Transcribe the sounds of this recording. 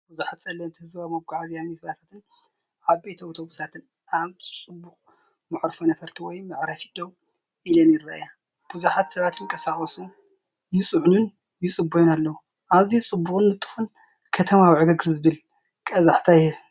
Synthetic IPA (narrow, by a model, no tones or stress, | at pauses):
buzuħat̪sʼɐlːɐmt̪ʰɨhɨzamɐbɡaʕaziamisβasat̪ʰɨn | ʕabejt̪ʰoot̪ʰoβusat̪ʰɨn | aβt͡sʼɨbːuxʼ | mɨʕɾfonɐfɐɾt̪ʰiwɔjmɨʕɾɐfid̪̥ow | ʔilɐnjɪɾːaja | b̥uzuħat̪sɐβat̪ɨkʼɐsaxʼɐsu | jɪsʼɨʕnun | jɪsʼɨbːojonalːɐwu | ʔaβzit͡sʼɨbːuxʼɨnːɨt̪ʼːɨ̥xun | kʰɐt̪ʰɐmawiʕɨɡɨɡɨɾzɨβɨl | kʼɐzaħt̪ʰajɛ